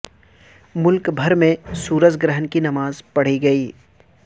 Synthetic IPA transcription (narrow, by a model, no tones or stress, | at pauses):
mʊlkbʱɐɾmẽsuːɾəd͡ʒɡɾəɦənkinɐmaːzpɐɽ̤iɡɐiː